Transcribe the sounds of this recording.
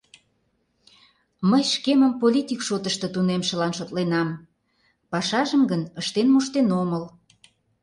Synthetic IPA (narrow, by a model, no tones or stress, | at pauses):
məjʃkeməmpolʲit̪ʲikʃot̪əʃt̪ə̆t̪unemʃə̆lɑnʃot̪lenɑm | pɑʃɑʒəmɡənəʃt̪enmuʃt̪enoməl